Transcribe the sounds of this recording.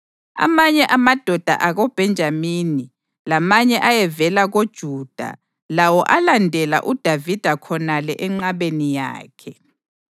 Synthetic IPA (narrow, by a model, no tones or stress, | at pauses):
a̰maɲɛʔamad̥ʱɔd̥ʱa̰ʔaɣɔb̥ʱɛnd͡ʒʱamini | lamaɲɛʔajɛvɛlaɣod̥ʒ̥ʱuːd̥ʱa̰ | lawɔʔalandʱɛla̰ʔud̥ʱavid̥ʱakʰɔnalɛʔɛŋ͡ǃaβenija̰ːkʰɛ